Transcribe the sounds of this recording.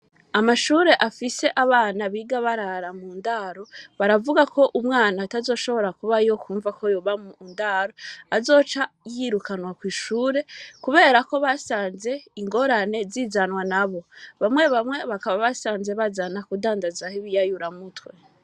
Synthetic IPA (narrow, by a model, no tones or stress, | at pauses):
amaʃuːɾe̞ʔafise̞ʔaβaːnaβiːɡaβaɾaɾamuːndaɾo̞βaɾavuɡako̞ʔumŋaːnatazo̞ːʃo̞βo̞ɾakuβajo̞kʰuːɱvakʰo̞joβamuːndaɾo̞azo̞ːt͡ʃajiɾukanwakwiːʃuːɾe̞kuβe̞ːɾako̞βasaːnze̞iŋɡo̞ɾane̞zizanwanaβo̞βamwe̞βamwe̞βakaβaβasaːnze̞βazanakudaːndazahiβijajuɾamutwe̞